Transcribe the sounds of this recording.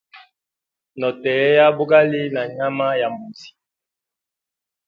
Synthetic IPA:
nɔ˨tɛ˨ɛ˦ja˦bu˦ɡa˦li˦na˨ɲa˦ma˦ja˨mu˨zi̥˨

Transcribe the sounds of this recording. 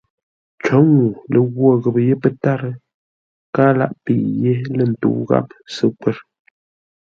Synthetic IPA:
t͡ʃɔ˨˦ŋu˨lə˨ɣwɔ˦˨ɣə˨pə˨je˦pə˦ta˦ɾə˦ | kaː˦la̰˦ʔpi˨je˦lə˨n̩˨tṵ˨ɣa̰˦p̚sə˦k͡pə˦ɾ

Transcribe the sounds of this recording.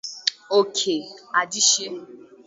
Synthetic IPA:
o˦kʰe˨a˨di˦ʃi˦

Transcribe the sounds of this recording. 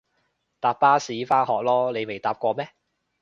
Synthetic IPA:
t̪aː˨˩p̚ːaː˥siː˨˥faː˥hɔː˨k̚lɔː˥le˨˧jme˨jt̪aː˨p̚kʷɔː˧mɛː˥

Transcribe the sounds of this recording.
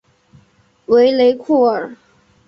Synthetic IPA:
we˧˥ɪle˧˥ɪkʰu˥˩ə˨˩˦

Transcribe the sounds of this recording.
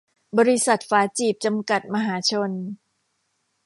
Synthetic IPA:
bɔː˧ɾi˧˥sa˨˩t̪̚faː˦˥t͡ɕiː˨˩p̚t͡ɕa˧mka˨˩t̪̚ma˧ɦaː˩˦t͡ɕʰo˧n

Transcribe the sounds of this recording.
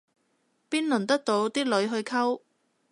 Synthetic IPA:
piː˥nlɵ˨˩nt̪ɐ˥k̚t̪o˧wt̪iː˥lɵ˨˧˥ɥɦɵ˧ɥkʰɐ˥w

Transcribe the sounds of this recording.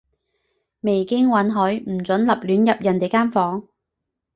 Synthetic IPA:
me˨˩jkɪ˥ŋwɐ˨˥nɦɵ˨˥m̩˨˩t͡sɵ˨˥nlɐ˨p̚lyː˨˥njɐ˨p̚jɐ˨˩nt̪e˨jkaː˥nfɔː˨˥ŋ

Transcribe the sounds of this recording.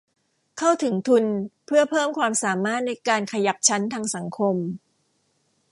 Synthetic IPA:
kʰa˥˩wt̪ʰɯ˩˦ŋt̪ʰu˧npʰɯ˥˩ɐpʰɤː˥˩mkʰwaː˧msaː˩˦maː˥˩t̪̚na˧jkaː˧nkʰa˧ja˩˦˥p̚t͡ɕʰa˦˥nt̪ʰaː˧ŋsa˩˦ŋkʰo˧m

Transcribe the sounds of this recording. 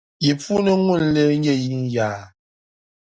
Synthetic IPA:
ji˨fu˦nə˦ŋwu˦˨n˨˦le˦ɲɛ˦ji˦ŋ˦jaː˨

